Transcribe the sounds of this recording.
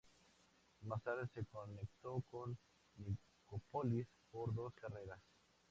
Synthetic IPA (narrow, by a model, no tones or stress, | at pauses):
masaɾesekonek̚t̪okonː | i | kopolispoɾðo̞skareɾas